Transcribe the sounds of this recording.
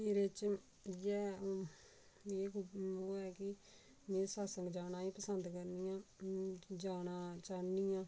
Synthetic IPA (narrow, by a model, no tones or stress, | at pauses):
eːɾet͡ʃ | jɛː | eːkoːɛːkɪ | mẽːsaːsəŋɡd͡ʒaːnaːiːpəsənd̪kəɾniːjãː | d͡ʒaːnaːt͡ʃaːniːãː